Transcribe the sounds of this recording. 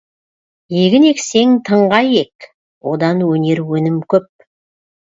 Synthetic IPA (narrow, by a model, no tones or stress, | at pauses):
jeɡʲɪne̞kse̞ŋt̪ʰəɴʁɑje̞k | wo̞d̪ɑnwɵne̞ɾwɵnɪmkʲʰɵp̚